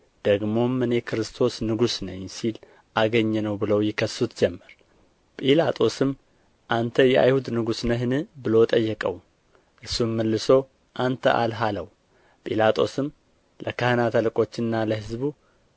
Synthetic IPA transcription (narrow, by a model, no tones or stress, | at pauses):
d̪̥əɡmo̞mːɨnjɛkʰɾɨst̪ʰo̞snɨɡusnəɲsil | ʔaɡəɲːɛnəwbɨləwjɪkʰəsːut̪d͡ʒɛmːəɾ | pʼilat̪ʼʰo̞sɨm | ʔant̪ʰəjɛʔa̰jhud̪nɨɡusnəɦɨnɨbɨlo̞t̪ʼəjːɛkʼə̰w | ʔɨɾsːumːəlːɨso̞ | ʔant̪ʰə̰ʔa̰lɦaləw | pʼilat̪ʼo̞sɨm | lʔəkʰəhɨnat̪ʰəlɨkʼo̞t͡ʃːɪnːaləhɨzbu